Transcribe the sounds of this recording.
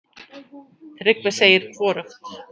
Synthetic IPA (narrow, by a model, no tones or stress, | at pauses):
θɾɪkvɪ̥seːjɪɾ̥kʰvɔːɾʏxt̪